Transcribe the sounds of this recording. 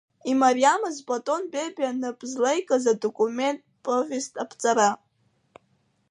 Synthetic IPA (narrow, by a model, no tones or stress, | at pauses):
imaɾijamɨzpʼatʼo̞nbebʲanɨpʼzlejkʼazadokʼume̞ntʼpʼovʲestʼapʰt͡sʼaɾa